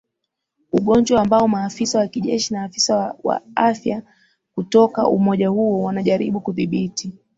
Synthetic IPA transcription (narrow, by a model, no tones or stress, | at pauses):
uɠɔɲd͡ʒwaːmbaɔmaːfisawakiʄɛʃinaːfisawa̰afja | kutɔka̰ʔṵmɔʄahuɔwanaʄaɾiɓukuðiɓiti